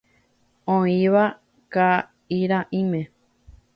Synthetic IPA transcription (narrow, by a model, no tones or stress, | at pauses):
õĩʋa | ka | iɾãʔĩmẽ